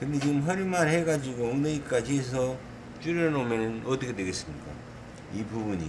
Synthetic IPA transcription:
kɯnde̞t͡ɕiɡɯmɦʌɾimanɦeɡad͡ʑiɡoːŋneik͈ad͡ʑies̬ʰʌ | t͡ɕuɾjʌnomjʌnɯnʌt͈ʌkʰedwe̞ɡe̞s͈ɯmɲik͈a̰ | ibubuɲḭ

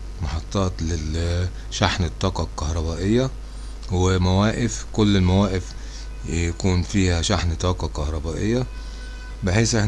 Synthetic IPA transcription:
mɑħɑt̪ˤːɑːt̪lɪ | ʃaħnt̪ˤːɑːqɑkɑhɾˤɑbaːʔɪjːæ | wɪmæwæːʔɪfkʊlːɪlmæwæːʔɪf | jækuːnfiːhæʃaħnt̪ˤːɑːqɑkɑhɾˤɑbaːʔɪjːæ | bɪħiːsʔeħn

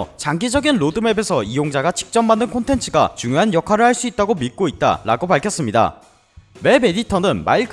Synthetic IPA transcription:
t͡ɕaŋɡid͡ʑʌɡinɾodɯme̞be̞sʰʌijoŋd͡ʑaɡat͡ɕʰi̥k̚t͡ɕ͈ʌmːandɯnkʰontʰe̞nt͡ɕʰɯɡa̰t͡ɕuŋjoɦanjʌkʰwaɾɯɭhaɭs͈uit̚t͈aɡomit̚k͈oit̚t͈a̰ɾa̰ɡopaɭkʰjʌs͈ɯmɲida̰ | me̞be̞ditʰʌnɯnma̰iɭk

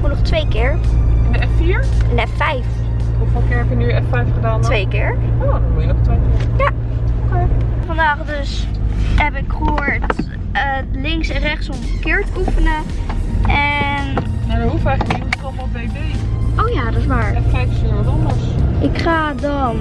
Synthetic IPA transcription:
munɔχtʋejkɪːɹndəɛffiːɹndɛffɛjf | ɔfʋɛlˠkɪːɹɦɛpjəniʔɛffɛjfχədaːntʋejkɪːɹodɔmujənɔχtʋejkɪɹja | tɔkəfɑndaːχdøsɦɛpɪkχəɦoːɹt | əlɪŋksɛnrɛχtsɔməkɪːɹtəufənə | ʔɛnjadɔnɦufɛkəiitɔχɔbejbejowjaːdɑsmaːɹɛfɛjfsɪɹɔdɔnɔsʔɪkχaːdɑn

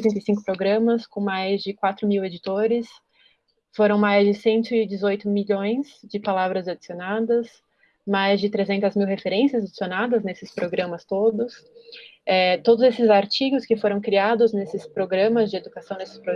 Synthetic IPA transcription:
t̪ẽnt̪ɐjsĩŋkʊ̥pɾoɡɾɐ̃mɐskõmajzd͡ʒɪkwat̪ɾʊmiwed͡ʒit̪oɾɪs | foɾɐ̃w̃majzd͡ʒɪsẽnt̪ʊɪd͡ʒɪzojt̪ʊmiʎõj̃zd͡ʒɪpalavɾɐzad͡ʒisionad̪ɐs | majzd͡ʒɪt̪ɾezẽnt̪ɐzmiwɦefeɾẽsiɐzad͡ʒisionad̪ɐznesɪspɾoɡɾɐ̃mɐst̪od̪ʊs | ɛt̪od̪ʊzesɪzaɾt͡ʃiɡʊskɪfoɾɐ̃w̃kɾiad̪ʊznesɪspɾoɡɾɐ̃mɐzd͡ʒɪed̪ukasɐ̃w̃nesɪ̥spɾo

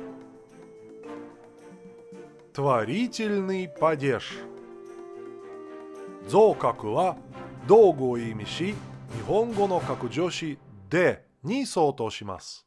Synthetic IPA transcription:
t̪ɨβaɾʲitʲilʲnɯpadʲeʂ | d͡zoːkakɯ̟βad̪oːɡɯ̟oimʲiɕiɲʲiɦõ̞ŋɡo̞no̞kakɯ̟d͡ʑo̞ɕi | d̪e | ɲ̟iso̞ːt̪oɕima̰sɨ̥

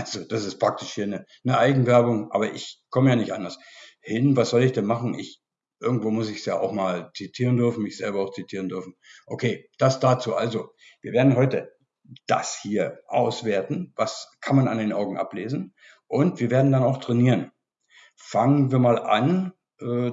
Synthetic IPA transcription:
ʔalzod̥asɪstpʁ̥ak̚tɪʃhiːɐnə | nəʔaɪɡŋ̩vɛɐbʊŋʔa̰ːbɐʔɪçkʰɔməjaːnɪçtʔandɐs | hɪnvasz̥ɔlɪçd̥ɛnmaχn̩ʔɪ̰ç | ʔɪɐɡŋ̩tv̥oːmʊsɪçsja̰ːʔa̰ʊxmaːlt͡sitʰiːʁ̞əndʏɐfn̩mɪçz̥ɛlbɐaʊxt͡sitʰiːʁəndʏɐfn̩ʔokʰeːd̥asd̥aːt͡suːʔalzo | v̥iːɐveːɐdn̩ɦɔʏtə | d̥a̰shiːɐʔa̰ʊsv̥eːɐtn̩vaskʰanmana̰ndeːnʔaʊɡŋ̩ʔa̰pleːzn̩ | ʔʊntv̥iːɐveːɐdn̩danaʊxtʁ̥ɛniːʁən | faŋənviːɐmaːlʔa̰n | ʔɛː

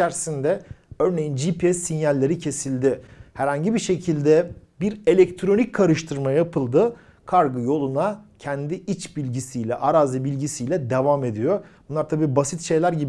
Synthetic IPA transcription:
æɾsind̪ɛø̞ɾne̞jind͡ʒipiɛsːinjalʲːe̞ɾicʰe̞silʲd̪ɪhæɾhaɲɟibiʃe̞cʰilʲd̪ɛbiɾe̞lʲɛc̚t̪ʰɾo̞nic̚kʰːaɾɯʃt̪ʰɯɾmajapʰɯlˠd̪ɯ | kʰaɾɡɯjo̞lˠunacʰɛnd̪iʔit͡ʃbilʲɟisijlʲɛʔaɾaːzɯbilʲɟisijlʲɛd̪e̞vaːme̞d̪ijobunlaɾt̪ʰabiːbasit̪ʃe̞jlʲæɾɟib

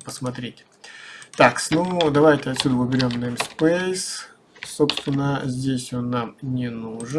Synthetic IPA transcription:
pəsmɐt̪ɾʲet̚ʲ | t̪aksnud̪ɐvajtʲɪɐt̪ʲsʲːud̪əvʊbʲɪɾʲo̞mnəɛmspejs | so̞pst̪vʲɪnːəzʲdʲesʲo̞nːamnʲɪnuʐɨ

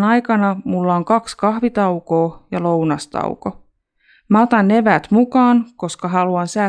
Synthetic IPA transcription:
nɑjkɑnɑmulːɑoŋkɑkskɑhʋit̪ɑwko̞ːjɑlo̞wnɑst̪ɑ̰wko | mæot̪ɑnːe̞ʋæːt̪mukɑːnko̞skɑɦɑluɑnsæː

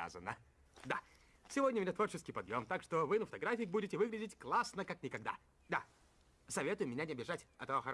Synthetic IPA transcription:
a̰zənːə | d̪a̰ | sʲɪvodʲnʲəmɪnʲat̪vo̞rt͡ɕɪskʲɪjpɐd̪jomt̪akʂt̪ovɨnəfə̥t̪ɐɡɾafʲɪjək̚budʲɪtʲɪvɨɡɾʲɪdʲɪtʲklˠasnəkaknʲɪkɐɡ̚d̪a̰ | d̪a | sɐvʲe̞t̪ʊjʊmʲɪnʲanʲɪɐbʲɪʐatʲɐt̪ɐvoxə

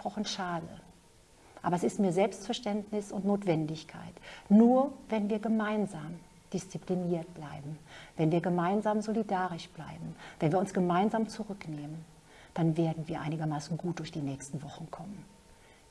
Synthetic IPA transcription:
pʁ̥ɔχn̩ʃaːdə | ʔaːbɐɛsɪstmiːɐzɛlpstfɛɐʃtɛntnɪsʊntnoːtv̥ɛndɪçkʰa̰ɪtnuːɐvɛnviːɐɡəmaɪnzaːm | d̥ɪst͡sipliniːɐt̚b̥laɪbm̩vɛnviːɐɡəmaɪnzaːmzolidaːʁɪʃb̥la̰ɪbm̩vɛnviːɐʊnsɡ̥əmaɪnzaːmt͡suʁʏkneːmən | d̥anveːɐdn̩viːɐʔaɪnɪɡɐmaːsn̩ɡuːt̚d̥ʊɐçd̥iːnɛːçstn̩vɔχn̩kʰɔmən

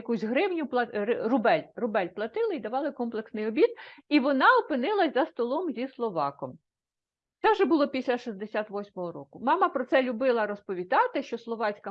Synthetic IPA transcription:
kusʲɦɾɪwnʲʊp̪ˠɐɾrʊbɛlʲrʊbɛlʲplˠɐt̪ɪlˠɪid̪ɐʋɑlˠɪkɔmplˠeksnɪjɔbʲid̪iʋɔnɑɔpɪnɪlˠɐzʲzɐst̪ɔlˠɔmzʲislˠɔʋɑkɔm | t̪sɛwʒɛbʊlˠɔpʲisʲlʲɐʃizd̪esʲat̪ʋɔsʲmɔɦɔɾɔkʊmɑmɐpɾɔt̪sɛlʲʊbɪlˠɐɾɔspɔʋʲid̪ɑt̪ɪʃt͡ʃɔslˠɔʋɑt͡sʲkɐ

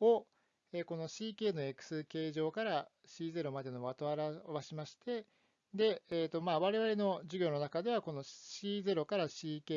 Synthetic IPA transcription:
o | e̞ːko̞no̞ɕiːke̞ːno̞e̞kɯ̟̥sɨke̞ːʑo̞ːkaɾa | ɕiːze̞ɾo̞mad̪e̞no̞βat̪o̞aɾaβaɕimaɕi̥t̪e̞ | d̪e̞ːt̪o̞maːβaɾe̞βaɾe̞no̞ʑɨɡʲo̞ːno̞nakad̪e̞β̞ako̞no̞ɕiːze̞ɾo̞kaɾaɕiːkeː

